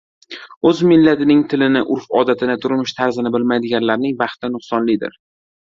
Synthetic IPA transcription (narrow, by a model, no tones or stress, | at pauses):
ɵzmɪlːat̪ʰɪnɪŋt̪ʰɪlɪnɪʔʊɾfɒd̪at̪ʰɪnɪt̪ʰʊɾmɪʃt̪ʰaɾzɪnɪbɪlmajd̪ɪɡʲanlaɾnɪŋbɑχt̪ʰɪnʊχsɒnlɪd̪ɪ̰ɾ